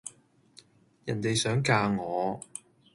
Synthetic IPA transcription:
jɐ˨˩nt̪e˨jsœː˨˥ŋkaː˧ŋɔː˨˧

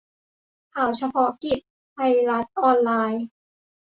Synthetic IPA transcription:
kʰaː˨˩wt͡ɕʰa˧pʰɔ˦˥ki˨˩p̚ | pʰa˧jla˦˥t̪̚ʔɔː˧nlaː˧j

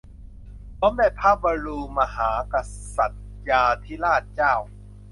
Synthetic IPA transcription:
t̪ɔ˦˥mda˥˩jpʰaː˦˥˩p̚baː˧ɾuː˧ma˧ɦaː˩˦ka˧sa˨˩t̪̚ | jaː˧t̪ʰiː˥˩laː˥˩t̪̚t͡ɕaː˥˩w

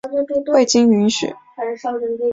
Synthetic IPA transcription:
we˥˩ɪt͡ɕi˥ŋy˧˥nɕy̰˨˩˦

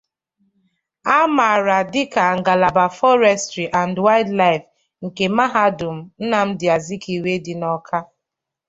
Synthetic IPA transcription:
a˦ma˨ɾa˨dɪ˦ka˨ŋ̩˨ɡa˨la˨ba˨fɔ˦ɾɛ˦stɾi˨ʔa˨ndwa˦ɪ˦dla˦ɪ˨f | ŋ̩˨ke˨ma˦ɦa˦dʊ˨m̩˨n̩˦na˨m̩˦dɪ˨a˨zi˦ki˨we˦dɪ˨nɔ˦kʰa˦

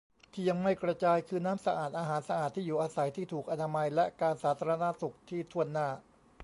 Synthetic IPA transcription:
t̪ʰiː˥˩ja˧ŋma˥˩jkɾa˧t͡ɕaː˧jkʰɯː˧naː˦˥msa˧ʔaː˨˩t̪̚ʔaː˧ɦaː˩˦nsa˧ʔaː˨˩t̪ʰːiː˥˩juː˨˩ʔaː˧sa˩˦jt̪ʰiː˥˩t̪ʰuː˨˩k̚ʔa˧naː˧ma˧jlɛ˦˥kaː˧nsaː˩˦t̪ʰaː˧ɾa˧na˦˥su˨˩k̚t̪ʰiː˥˩t̪ʰu˥˩ənːaː˥˩

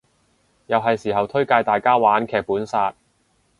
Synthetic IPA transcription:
jɐ˨wɦɐ˨jsiː˨˩ɦɐ˨wt̪ʰɵ˥ɥkaː˧jt̪aː˨jkaː˥waː˨˥nkʰɛː˨k̚puː˨˥nsaː˧t̚

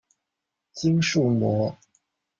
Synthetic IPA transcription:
t͡ɕi˥ŋʂu˥˩mwɔ˧˥

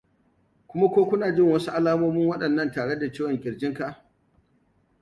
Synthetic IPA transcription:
kʷʊ˦ma˦kʷoː˦kʷʊ˦naː˨d͡ʒɪ˦˨ŋwɐ˦su˦ʔa˦laː˦moː˦mʊ˦ŋwɐ˦ɗɐ˨nːɐ˦˨ntaː˨ɽe˦da˨t͡ʃeː˦wɔ˨ŋkʲʼɪ˨ɽd͡ʒɪ˦ŋka˨ʔ

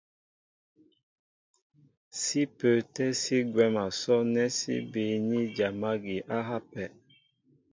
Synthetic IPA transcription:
si˦pə˨tɛ˦si˦ɡwɛ˦ma˨sɔ˦nɛ˦sḭ˦be˨ɲi˦d͡ʒa˨ma˦ɡi˨ʔa˦ɦa˦pɛ˨

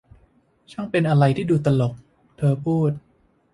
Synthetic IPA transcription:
t͡ɕʰɔ˥˩ŋpe˧nʔa˧ɾa˧jt̪ʰiː˥˩duː˧t̪a˧lo˨˩k̚ | t̪ʰɤː˧pʰuː˥˩t̪̚

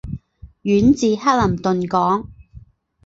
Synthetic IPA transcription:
ɥyː˨˥nt͡siː˨˧haː˥lɐ˨˩mt̪ɵ˨nkɔː˨˥ŋ

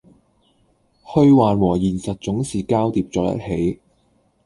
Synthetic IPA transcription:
hɵ˧ɥwaː˨nwɔː˨˩jiː˨˩nsɐ˨t̚t͡sʊ˨˥ŋsiː˨kaː˥wt̪iː˧p̚t͡ʃɔː˧k̚jɐ̰˥t̚he˨˥j

